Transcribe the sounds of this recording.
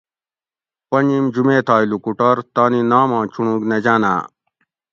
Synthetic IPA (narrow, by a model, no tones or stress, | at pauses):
pɐnimd͡ʑumeːt̪ʰaːilukuʈɐɾt̪aːninaːmãːt͡ɕʰuɳ̃ũːɡned͡ʑaːna̰ː